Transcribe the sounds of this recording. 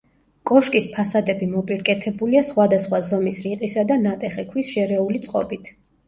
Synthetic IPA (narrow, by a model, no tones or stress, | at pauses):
kʼɔʃkʼispʰasad̪ɛbimɔpʼiɾkʼɛt̪ʰɛbuliasχwad̪asχwazɔmisɾiqʼisad̪anat̪ʼɛχɛkʰwisʃɛɾɛulit̪sʼqʼɔ̰bit̪ʰ